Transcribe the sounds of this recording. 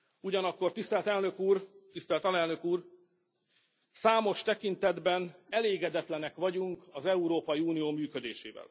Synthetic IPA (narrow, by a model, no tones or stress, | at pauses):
uɟɒnɒkːo̞rt̪ist̪ɛlt̪ɛlnø̞kuːrt̪ist̪ɛlt̪ɒlɛlnø̞kuːr | saːmo̞ʃt̪ɛkint̪ɛd̪bɛnɛleːɡɛd̪ɛt̪lɛnɛkʋɒɟuŋkɒzɛuɾoːpɒjiuːnijoːmyːkød̪eːʃḛːvɛ̰l